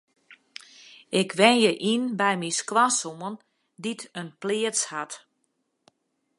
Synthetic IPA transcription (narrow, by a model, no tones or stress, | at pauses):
ɪkʰʋɛnjəʔinbɛjmisklasomən | ditənplɪəshat